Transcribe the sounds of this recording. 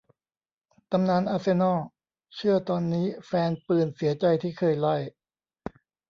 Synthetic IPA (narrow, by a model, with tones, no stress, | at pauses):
t̪a˧mnaː˧˩nʔaː˧se˧nɔː˥˩ | t͡ɕʰɯ˥˩ɐt̪ɔː˧nːiː˦˥fɛː˧npɯː˨˩nsi˩˦ɐt͡ɕa˧jt̪ʰiː˥˩kʰɤː˧jla˥˩j